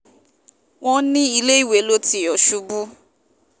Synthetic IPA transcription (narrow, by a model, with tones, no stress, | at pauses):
w̃ɔ̃˦nĩ˦i˧le˦i˦˨we˨˦lo˦ti˦ɔ˨ʃu˦bu˦